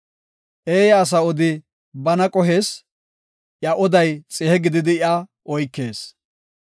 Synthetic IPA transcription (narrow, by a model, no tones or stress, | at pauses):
ʔeːjɐːs̬ɐɔd̪ɪ | bɐnɐkʼɔɦe̞ːs | ʔjɐʔɔd̪ɐjt͡sʼɛhɛɡɪd̪ɪd̪ɪjɐ | ɔjkːe̞ːs